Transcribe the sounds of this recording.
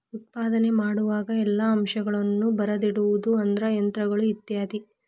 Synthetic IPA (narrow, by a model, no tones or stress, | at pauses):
ut̪̚paːd̪ɐne̞maːɽuʋaːɡɐɛlːɐɐmʃɐɡɐɭɐnːubɐɾɐd̪iɽuʋud̪uɐnd̪ɐɾɐjɐnt̪ɾɐɡɐɭuit̪jaːd̪i